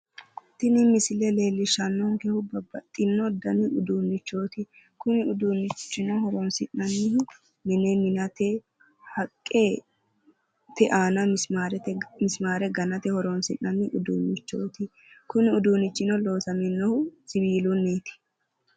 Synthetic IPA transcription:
t̪ɪnɪmɪsɪlɛle̞ːlːɪʃɐnːɔŋkɛhʊbɐbːɐt̪ʼːɪnːɔd̪ɐnɪʊd̪uːnːɪt͡ʃːo̞ːt̪ɪ | kʊnɪʊd̪unːɪt͡ʃːɪnɔhɔɾɔnsɪnːɐnːɪhʊ | mɪnɛmɪnɐt̪ɛ | hɐkʼːeː | t̪ɛʔaːnɐaɾɛmɪsmaːɾɛɡɐnɐt̪ɛhɔɾɔnsɪ̰nːɐnːɪʔʊd̪ṵːnːɪt͡ʃːo̰ːt̪ɪ | kʊnɪʊd̪uːnɪt͡ʃːɪnɔlo̞ːsɐmɪnːɔhʊsɪbiːlʊnːeːt̪ɪ̥

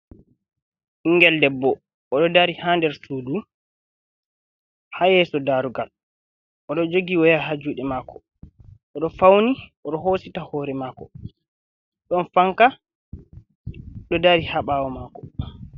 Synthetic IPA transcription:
ʔiŋɡɛldɛbːɔː | ɗɔdaɾihaːndɛɾsuːdu | hajɛsɔdaɾuɡal | ʔɔɗɔd͡ʒoɡiwɔjaɦad͡ʒuːɗɛmaːkɔ̥ | ɔɗɔfawniʔɔɗɔɦositahɔɾɛmaːkɔ | ɗɔnfaŋka | ɗɔdaɾihaɓaːwɔmaːkɔ

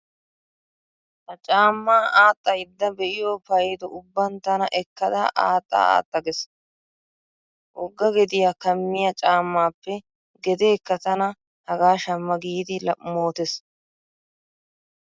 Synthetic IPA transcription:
hɐt͡ʃʼaːmːaːʔaːt̪ʼːɐjɪd̪ːɐbɛʔɪjoːpɐjd̪ɔʊbːɐnt̪ɐnɐʔɛkːɐd̪ɐ̰ʔa̰ːt̪ʼːa̰ːa̰ːt̪ʼːɐɡɛs | ʔɔɡːɐɡɛd̪ɪjakɐmːɪjɐt͡ʃʼaːmːaːpːɛ | ɡɛd̪e̞ːkːɐt̪ɐnɐ | hɐɡaːʃɐmːɐɡiːd̪ɪlɐmoːt̪ɛs

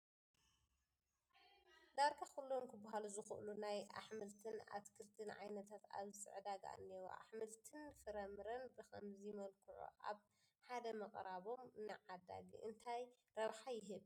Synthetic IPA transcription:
d̪aɾɡakulːomkʰɨbːaɦaluzɨxɨ̰ʔɨlunaja̰ħmɨlt̪ʰɨna̰t̪kʰɨɾt̪ʰɨnʕa̰jnɐt̪ʰat̪a̰βzɨsʼɨ̰ʕd̪aɡa̰a̰nːewṵʔa̰ħmɨlt̪ʰɨnfɨɾɐmɨɾɐnbɨxɐ̰mzijmɐlkʰɨʕṵʔa̰β | ħad̪ɐmɐqʼɾaβo̞mnɨʕad̪a̰ɡḭʔɨnt̪ʰaj | ɾɐβħajɪɦɨβ

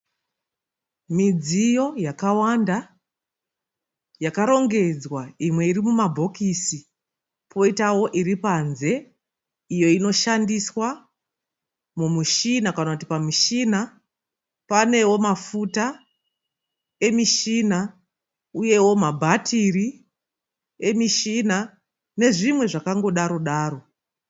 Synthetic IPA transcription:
mid͡zijo̞jakawanda | jakaɾo̞ŋɡe̞d͡zwaimwe̞irimumabʱo̞kisi | pʰo̞itawo̞ʔiripanze̞ | ijo̞ino̞ʃandiswa | mumuʃinakanakuti̥pamiʃina | pane̞wo̞mafuta | e̞miʃina | uje̞wo̞mabʱatiri | e̞miʃina | ne̞ʐimwe̞ʐakaŋɡo̞ɗaɾo̞ɗaːɾo̞

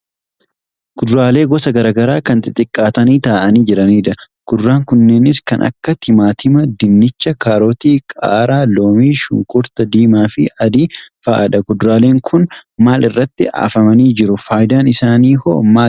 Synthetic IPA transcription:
kʊd̪ɾaːle̞ːɡɔsɐɡɐɾaːɡɐɾaːkɐnt̪ɪt̪ʼɪkʼːaːt̪ɐniːt̪aːʔɐniːd͡ʒɛɾɐniːᶑ̪ɐ | kʊd̪ʊɾaːŋkʊnːe̞ːnɪskɐnʔɐ̰kːɐt̪ɪmaːt̪ʰɪmɐd̪ɪnːɪt͡ʃːɐkaːɾo̞ːt̪iːkʼa̰ːɾaːloːmiːʃʊ̰ŋkʼʊɾt̪ɐd̪iːmaːfɪɐd̪iːfaːʔɐᶑɐɡʊd̪ɾaːle̞ːŋkʰʊnmaːlɪrːɐt̪ːɪʔa̰ːfɐmɐniːd͡ʒɪɾʊfaːjd̪aːnɪsaːniːho̰ːmaː

